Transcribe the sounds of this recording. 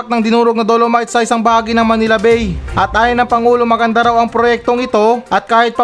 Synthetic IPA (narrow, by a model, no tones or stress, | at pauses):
k̚nɐŋd̪ɪnuːɾoɡ̚nɐd̪olomajt̪sɐʔɪsaŋbɐhaːɡinɐŋmɐnɪlɐbɛjʔɐt̪̚ʔaːjonːɐŋpɐŋuːlomɐɡɐnd̪aɾawɐŋpɾojɛk̚t̪o̞ŋɪt̪o̞ʔɐt̪̚kaːhɪt̪̚pɐ